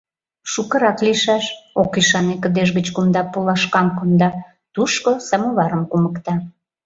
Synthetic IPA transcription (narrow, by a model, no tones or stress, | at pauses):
ʃukə̆ɾɑkliʃɑʃokiʃɑnekəd̪eʃɣət͡ɕkumd̪ɑpolɑʃkɑmkond̪ɑ | t̪uʃkosɑmoβɑɾəmkuməkt̪ɑ